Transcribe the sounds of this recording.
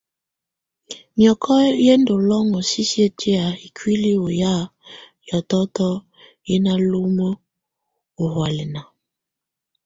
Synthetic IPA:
mjɔ˨kʰɔ˦je˦ndo˨lɔ˦ŋo˨si˦si˦e˦ti˦a˨i˨kʰwi˦li˦o˨ja˦˨ | jɔ˨tɔ˦tɔ˦ | je˦na˦lo˦mo˦ | o˨hwa˨li˨na˨

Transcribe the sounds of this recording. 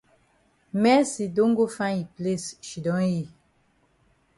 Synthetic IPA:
mɛ˦si˨do˦ŋ˦ɡo˦fã˦i˨ple˦˨sʃi˨dɔ̃˦ji˦˨

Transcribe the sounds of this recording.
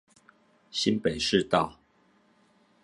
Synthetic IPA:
ɕi˦npe˨˩ɪʂɻ̩˥˨t̪ɑ˥˨ʊ

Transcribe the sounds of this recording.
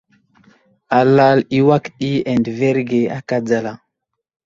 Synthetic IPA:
a˨la˦˨li˦wa˦kɗi˦e˨ndve˦ɾɡe˨a̰˨ka˦d͡za˨la˨

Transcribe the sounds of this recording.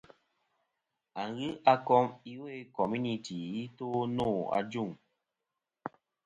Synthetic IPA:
a˨ŋɣɨ˦ʔa˦kɔ˦mi˦we˦˨kɔ˨mju˦ni˨ti˨i˦to˦noː˦˨a̰˨d͡ʒu˦˨ŋ

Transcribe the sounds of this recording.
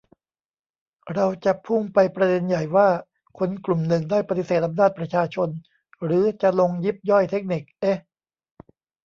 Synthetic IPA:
ɾa˧wt͡ɕa˨˩ʔpʰuː˥˩mpa˧jpɾa˧de˧nja˨˩jwaː˥˩ | kʰo˧nklu˨˩mnɯ˨˩ŋdaː˥˩jpa˧t̪i˨˩seː˨˩t̪ʔa˧mnaː˥˩t̪̚pɾa˧t͡ɕʰaː˧t͡ɕʰo˧n | ɾɯː˩˦t͡ɕa˨˩lo˧ŋji˦˥˩p̚jɔ˥˩jt̪ʰe˦˥k̚ni˨˩k̚ʔe˦˥

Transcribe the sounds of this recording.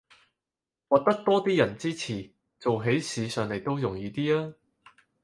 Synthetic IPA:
wɔː˨k̚t̪ɐ˥k̚t̪ɔː˥t̪iː˥jɐ˨˩nt͡siː˥t͡sʰiː˨˩ | t͡so˨wɦe˨˥jsiː˨˧sœː˨ŋle˨˩jt̪o˥wjʊ˨˩ŋjiː˨˧t̪iː˥aː˥

